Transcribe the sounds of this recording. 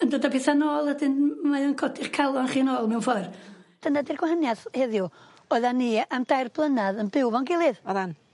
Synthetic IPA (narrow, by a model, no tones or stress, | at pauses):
əndoːdapʰeθanoːlˠədɪnmajənkʰɔdɪχkʰalˠɔnχiːnɔːlˠmɛwnfɔrd̥ənadirɡwaɦənjaθhɛðju | ɔðanːiamd̥ajrblˠənaðənbɪwvɔnɡɪlˠɪðɔðan